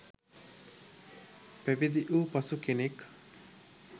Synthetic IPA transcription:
pæbid̪iʔuːpɐsukenek

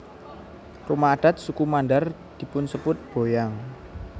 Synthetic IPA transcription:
rumaːɖ̥a̤t̪̚sukumanɖar | d̪̥i̤pʊnsəpʊt̪̚b̥o̤jaŋ

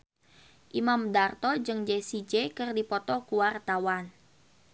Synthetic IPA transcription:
ʔimamdart̪ɔd͡ʒɨŋd͡ʒesid͡ʒekɨrdipɔt̪ɔkuwart̪awan

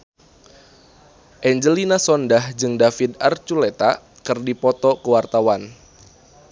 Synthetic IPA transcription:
ʔɛɲd͡ʒəlinasɔndahd͡ʒɨŋdafid̪art͡ʃulet̪a | kərdipɔt̪ɔkəwart̪awan

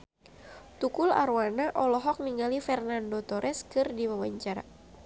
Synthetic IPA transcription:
t̪ukula̰ɾwanaʔɔlɔɦɔk̚niŋɡalifɛrnandot̪ɔɾʔɛskɨrdiwawaɲt͡ʃaɾa̰

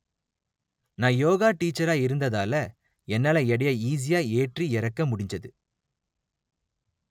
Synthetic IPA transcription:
naːjoːɣaːʈiːt͡ʃːɐɾaːɪɾɯnd̪ɐðaːlɐ | ɛnːaːlɐɛɽɐjaiːs̬ɪjaːeːʈriɪɾɐkːɐmʊɽɪɲd͡ʒɐðɯ

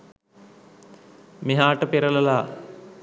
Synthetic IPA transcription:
meɦaːʈəpeɾələlaː

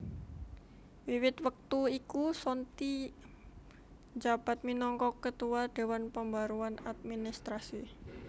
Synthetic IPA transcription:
wiwɪt̪wək̚t̪uikusɔnt̪i | d͡ʒab̥a̤t̪̚minɔŋkɔkːət̪uwaɖ̥e̤wanpəmbaɾuana̰t̪̚minist̪ɾasi

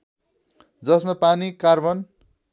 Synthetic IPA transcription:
d͡zʌsmapanikarbʌn

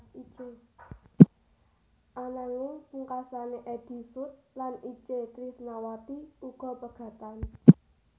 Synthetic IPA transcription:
it͡ʃe | ʔanaŋɪŋpuŋkasaneʔed̪̥i̤sʊt̪̚lanit͡ʃet̪ɾisnawat̪iuɡ̥ɔ̤pəɡ̥ä̤t̪an

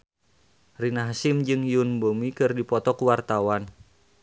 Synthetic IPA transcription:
rinaɦsimd͡ʒɨŋjunbomikɨrdipɔt̪ɔkuwart̪awan

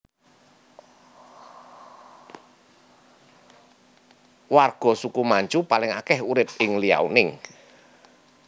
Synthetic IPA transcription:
warɡ̥ɔ̤sukumaɲt͡ʃupalɪŋakɛhuɾɪp̪̚ɪŋlia̰wnɪŋ

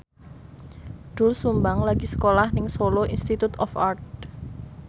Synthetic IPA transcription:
ɖ̪̥ʊ̤lsumbaŋlaɡ̥isə̥kolahnɪŋsoloʔinst̪it̪ut̪ɔfart̪̚

